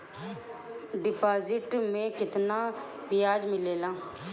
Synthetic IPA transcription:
ɖɪpaːzɪʈmẽːkɪt̪naː | pɪjaːd͡ʒmɪleːlãː

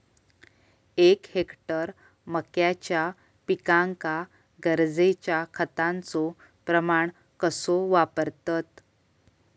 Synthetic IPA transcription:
ekhekʈəɾ | məkjat͡ɕja | pikãŋka | ɡəɾd͡zet͡ɕjakʰət̪ãnt͡sɔ | pɾəmaɳ | kəsoʋapəɾt̪ət̪

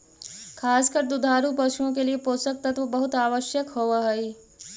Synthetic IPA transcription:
kʰaːskəɾd̪ud̪ʱaːɾupɐʃuõkeliepoːsək̚t̪ɐt̪ʋəbɐɦʊt̪aːʋəʃjəkɦoʋaɦɐi

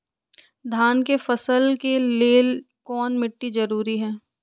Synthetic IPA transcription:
d̪ʱaːnkefɐsəlkeleːl | kɔːnmɪʈːizɐɾuːɾiɦɛː

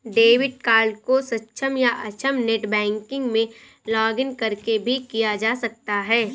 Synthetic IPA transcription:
ɖeːʋɪʈ̚kaːɾlkosɐtːʃʰəmjaʔɐt͡ʃʰəmneʈbɛ̃ːŋkɪ̃ŋɡmẽ | lɔːɡɪnkɐɾkebʱikijad͡ʒaːsɐk̚t̪aɦɛː

